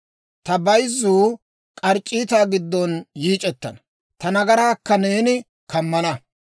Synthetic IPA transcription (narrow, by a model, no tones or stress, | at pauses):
t̪ɐbɐjzuː | kʼɐɾt͡ʃʼːiːt̪aːɡɪd̪ːɔnjiːt͡ʃʼɛt̪ːɐ̰nɐ | t̪ɐnɐɡɐɾaːkːɐneːnɪ | kɐmːɐnɐ